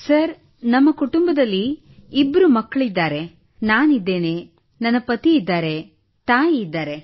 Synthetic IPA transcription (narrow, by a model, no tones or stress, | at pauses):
sɐɾ | nɐmːɐkuʈumbɐd̪ɐlːiː | bːɐɾumɐkːɐɭid̪ːaːɾe̞ | naːnid̪ːe̞ːneː | nɐnːɐpɐt̪iːd̪ːaːɾe̞ | t̪aːjiːd̪ːaːɾe̞